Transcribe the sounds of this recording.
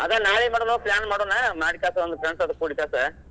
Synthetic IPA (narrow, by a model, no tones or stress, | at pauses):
ɐðãːnaːɭimaːɽunoːpɭjaːnmaːɽũnaːmaːɽɪkːaːsɐʋɐnd̪ɯfɾɐɳsɐðɯkuːɽikːaːsa̰ː